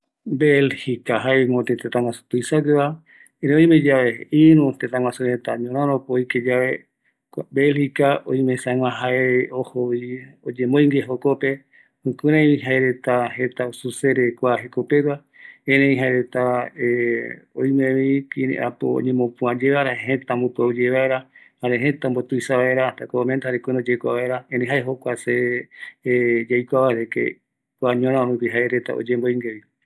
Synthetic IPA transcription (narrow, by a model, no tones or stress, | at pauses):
belhikaɦaemot̪et̪et̪ãŋãsu̥t̪ujsaɡeβa | eɾẽõjmẽd͡ʒaβeiɾũt̪et̪ãŋwãsuɾet̪aɲõɾãɾopoojked͡ʒaβe | kʷabelhikao̰jmesaŋʷãɦaeohoβiod͡ʒẽmojŋɡeɦokope | hũkɨɾẽiɦaeɾet̪aɦet̪aosuseɾekʷaɦekopewa | ẽɾẽĩɦaeɾet̪aeojmẽβikiɾḛ̃ʔa̰po̰o̰ɲẽmõpũãd͡ʒeβaɾaeɦẽt̪ambopuad͡ʒeβaeɾahaɾeɦẽt̪ãmbot̪ujsaβaeɾat̪akomẽnt̪ahaɾekʷuɾod͡ʒejkʷa̰βaeɾaenẽɦaeɦokʷase | d͡ʒajkʷaβaeɾekḛ | kʷaɲõɾ̃ãoɨkiɦaeɾet̪a̰o̰d͡ʒẽmbojŋɡeβi